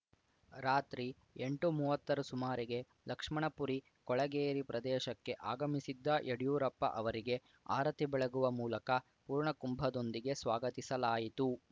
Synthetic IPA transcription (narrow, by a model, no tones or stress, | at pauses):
ɾaːt̪ɾi | eɳʈumuːʋɐt̪ːɐɾusumaːɾiɡe̞ | lɐkʂmɐɳɐpuɾi | kɔɭɐɡeːɾipɾɐd̪ɛːʃɐkːe̞ʔaːɡɐmisid̪ːɐʔeɽijuːɾɐpːɐ̰ʔɐʋɐɾiɡe̞ | a̰ːɾɐt̪ibɛɭɐɡuʋɐmuːlɐkɐ | puːɾɳɐkumbʱɐd̪o̞nd̪iɡe̞sʋaːɡɐt̪isɐlaːjit̪u